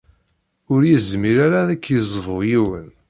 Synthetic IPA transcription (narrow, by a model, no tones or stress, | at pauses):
ʊɾjəzmiɾaɾaðækːjəzˤvʊjiwə̰n